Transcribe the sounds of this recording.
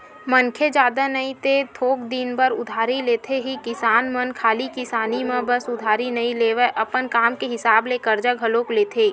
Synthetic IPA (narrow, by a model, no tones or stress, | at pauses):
mənkʰed͡ʒaːd̪anəĩt̪et̪ʰoːɡd̪inbəɾʊd̪ʱaːɾileːt̪ʰeɦikɪsaːnmənkʰaːlikɪsaːnimẽbɐsʊd̪ʱaːɾinɐĩleːʋeʔɐpənkaːmkeɦɪsaːblekəɾd͡ʒaɡʱɐloːkleːt̪ʰeː